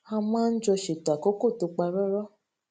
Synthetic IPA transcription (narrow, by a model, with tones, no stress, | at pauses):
a˧mãː˦n̩˦d͡ʒɔ˧ʃe˨ta˨ko˨˦ko˦˨to˧k͡pa˧ɾɔ˦ɾɔ˦